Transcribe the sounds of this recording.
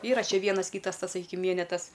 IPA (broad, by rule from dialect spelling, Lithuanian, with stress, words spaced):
ˈiːrɐ ˈt͡ʃʲɛ ˈʋʲiɛnɐs ˈkʲiːtɐs ˈtɐs sɐˈkʲiːkʲɪm ˈʋʲiɛnʲɛtɐs